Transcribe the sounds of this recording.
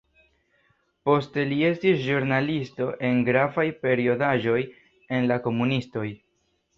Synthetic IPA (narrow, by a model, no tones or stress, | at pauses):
po̞ste̞lie̞stisʒuɾnalisto̞ʔe̞nɡɾavajpe̞ɾio̞daʒo̞j | e̞nlako̞munisto̞j